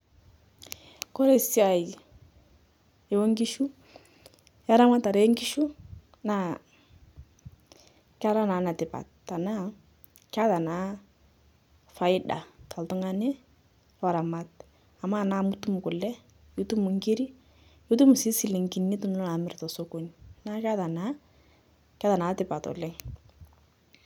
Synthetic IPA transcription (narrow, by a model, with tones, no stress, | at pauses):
kɔ˦ɾe˦˨si˦a˨i˨ | e˨wɔ˦ŋɡi˦ʃu˦ | ja˦ɾa˦ma˦ta˨ɾe˦ŋɡi˦ʃu˦ | na˨ | ka˦ɾa˦na˨˦na˨tɪ˨pa̰˨tːa˨na˦ | ka˦ta˨na˨˦ | fa˦ɪ˦da̰˨tʰa˨ltʊ˦ŋa˦ne˦ | wa˨ɾa˨ma˨t̚ | a˨ma˦˨na˦mu˦tu˦mu˨kʊ˨lɛ˦ | ju˦tu˦mu˨ŋɡi˦ɾi˦ | ju˦t̬u˦mu˨si˨˦si˨li˨ŋɡi˨nːi˦tu˦n˦ɔ˦a˨mɪ˦ɾtɔ˨so˦ko˨˦nna˦ka˦ða˨na˦ | ka˦ta˨naː˨˦tɪ˦pa˨tɔ̰˨lɛ˦ŋ